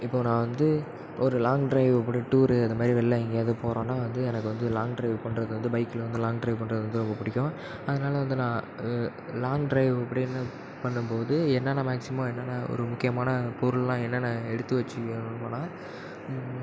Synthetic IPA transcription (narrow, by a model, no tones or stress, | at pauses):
ɪpːoːnãːʋɐnd̪ɯ | ɔɾɯlaːŋɡɖɾɐɪʋɐpːɐɽiʈuːɾɯɐnðɐmaːd̪ɾiʋɛlːɐɛŋɡɐjaːðɯpoːɾõːnːaːʋɐnd̪ɯɛnɐkːɯʋɐnd̪ɯlaːŋɡɖɾɐɪʋpɐɳɾɐðɯʋɐnd̪ɯbɐɪkːɪlʋɐnd̪ɯlaːŋɖɾɐɪʋpɐɳɾɐðɯʋɐnd̪ɯɾɔmbɐpʊɽɪkʲːõ | ɐðɐnaːlɐʋɐnd̪ɯnãː | laːŋɡɖɾɐɪʋɐpːɐɽɪɛnːɐ | pɐɳːɯmpoːðɯɛnːaːnaːmaːksɪmɐ̃ɛnːɐːnaːɔ̰ɾɯmʊkːɪjɐmaːnɐpɔɾɯllãːɛnːɐnãːɛɽɯt̪ːɯʋɐt͡ʃːɯnpoːnaː